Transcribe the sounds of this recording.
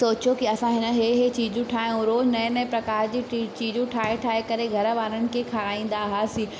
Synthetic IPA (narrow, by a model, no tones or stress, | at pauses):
oːt͡ɕjokiɐsãɦɪnə̆ɦeɦet͡ɕiːd͡ʑũʈʰaːijũɾoːd͡ʑnɐ̃ɪ̃nɛ̃ːpɾɐkaːɾd͡ʑiːt͡ɕiːd͡ʑũʈʰaːeʈʰaːɦekɐɾeɡʱɐɾəʋaːɾəñɪ̆kʰekʰaɾaːĩːn̆d̪aɦaːsĩː